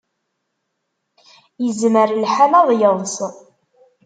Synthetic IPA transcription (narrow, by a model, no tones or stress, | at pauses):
jəzməɾlħamɑðˤjəðˤs